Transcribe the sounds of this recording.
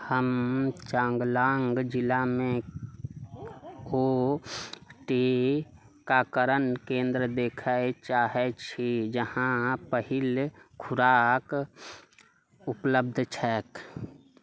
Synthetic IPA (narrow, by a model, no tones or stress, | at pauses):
həmt͡ʃãːŋɡlaːŋɡd͡ʒɪlamẽ | o | ʈe | kakəɾənkẽːnd̪ɾəd̪eːkʰaet͡ʃaːɦɛt͡ʃʰid͡ʒəhãpəɦilkʰʊɾaːk | upləbd̪ʱt͡ʃʰɛk